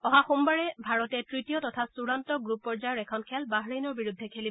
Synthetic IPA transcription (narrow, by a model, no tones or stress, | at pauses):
ɔɦaxumbaɹɛbʱaɹɔtɛtɹitijɔtɔtʰasuɹantɔɡɹupːɔɹzajɔɹɛkʰɔnkʰɛlbaɦɹenɔɹbiɹudʱːɛkʰeli